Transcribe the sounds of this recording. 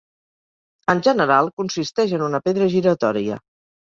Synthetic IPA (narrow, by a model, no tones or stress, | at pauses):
ənʲʒənəɾalˠkunsist̪ɛʃənunəpeðɾəʒiɾət̪ɔɾiə̰